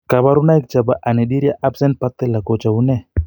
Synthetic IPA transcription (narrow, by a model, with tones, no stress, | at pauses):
ka˨βa˦ɾu˦na˦i˦k̚t͡ʃa˨ba˨ʔa˨ne˨di˦ɾja˦ʔa˦bse˦npa˦t̪e˦la˨ko˨t͡ʃa˨une˦